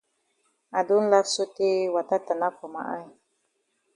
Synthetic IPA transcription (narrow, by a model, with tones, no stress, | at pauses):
a˨du˦n̩˦la˦su˦ti˦wa˨ta˦ta˨na˦kɔ˨ma̰˦˨ʔa̰˦j